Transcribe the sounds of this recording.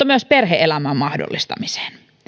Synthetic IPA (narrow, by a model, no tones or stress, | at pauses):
ɑmyøsperɦeʔelæmæːmmɑhdo̰lːist̪ɑ̰mise̥ːn